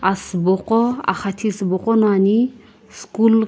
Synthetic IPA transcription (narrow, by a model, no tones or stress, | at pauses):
asbɔqɔa̰χat̪ʰisbɔqʼɔnani | skul